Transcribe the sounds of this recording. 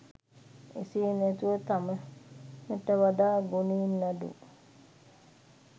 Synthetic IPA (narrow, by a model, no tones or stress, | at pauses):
ḭsiːnɛt̪uʋət̪aməməʈəʋad̪aːɡuniːnːadṵ